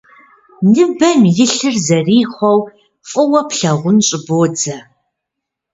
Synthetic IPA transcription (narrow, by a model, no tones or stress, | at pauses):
nɨbɐmjɪɬɨrzɐriːχʷɔw | fʼɨwɐpɬɐʁʷʊnɕʼɪboːd͡zɐ